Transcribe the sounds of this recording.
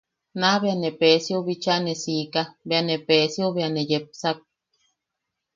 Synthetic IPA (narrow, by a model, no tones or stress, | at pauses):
naβeanepesiuβit͡ʃaʔnesiːkabeanepesiuβianejep̚sak̚